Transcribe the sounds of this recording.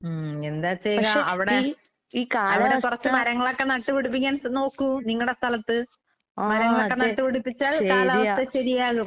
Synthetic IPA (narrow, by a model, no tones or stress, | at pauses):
end̪aːt͡ɕejɣɐaeʔɐʋiɽe | iːkaːɐʋiɾekurɐt͡ɕːɨmɐɾɐŋːɐɭo̞kːe̞nɐʈːuʋiɽup̬ːikʲːaːnno̞ːkːuniŋːɐɭɨɽe̞st̪ʰɐlɐt̪ːɨ | mɐɾɐŋːɐɭokːe̞nɐʈːuʋiɽupːit͡ɕːaːlkaːlaɐɕɐɾijaːɣu